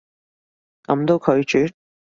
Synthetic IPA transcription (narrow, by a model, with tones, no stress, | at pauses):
kɐ̰˨˧˥mt̪o˧wkʰɵ˨˧ɥt͡ʃyː˨˥